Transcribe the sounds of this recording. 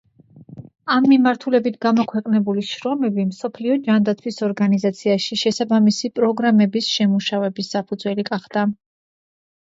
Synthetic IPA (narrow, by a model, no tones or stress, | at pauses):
amːimaɾt̪ʰulɛbit̪ʰɡamɔkʰwɛqʼnɛbuliʃɾɔmɛbimsɔpʰliɔd͡ʒand̪at̪sʰwisɔɾɡanizat̪sʰiaʃiʃɛsabamisipʼɾɔɡɾamɛbisʃɛmuʃavɛbisːapʰud̪zwɛliɡaχd̪a